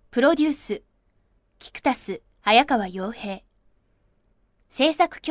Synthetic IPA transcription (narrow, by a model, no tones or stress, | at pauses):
pɯ̟ɾo̞d̪ʲɨːsɨ | kʲi̥kɯ̟̥t̪asɨ | ajakaβajo̞ːhe̞ː | se̞ːsakɯ̟̥kʲ